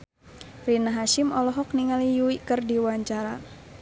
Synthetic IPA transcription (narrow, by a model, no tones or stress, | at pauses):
rinaɦaʃimɔlɔɦɔk̚niŋalijuikərdiwaɲt͡ʃaɾa